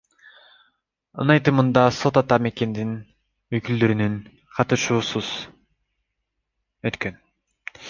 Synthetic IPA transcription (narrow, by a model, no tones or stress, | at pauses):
ɯ̰nɑjt̪ɯmɯnd̪ɑso̞t̪ɑt̪ɑmekʲe̞nd̪in | øjkyld̪øɾynyn | qʰɑt̪ɯʃuːsuz̥ | øt̪kø̞n